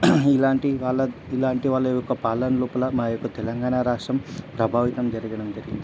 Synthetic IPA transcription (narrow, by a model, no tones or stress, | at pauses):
ilaːɳʈiʋaːɭːɐilaːɳʈiʋaːɭːɐjokːɐpaːlɐnɐluːpɐlɐmaːjokːɐt̪ɛlɐŋɡaːɳaːɾaːʂʈɾɐmpɾɐbʱaːʋit̪ɐmd͡ʒɐɾiɡɐɽɐmd͡ʒɐɾiɡind̪i